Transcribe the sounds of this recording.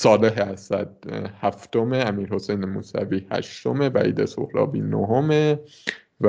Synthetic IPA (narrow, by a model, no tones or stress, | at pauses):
sɒːle̞ɦeæsæd̪̥̚hæft̪o̞meæmiːɾho̞sejnemṵːsæ̰viːhæ̰ʃt̪ome̞væʔḭːd̪eso̰hɾɒ̰ːbiːnoɦome | v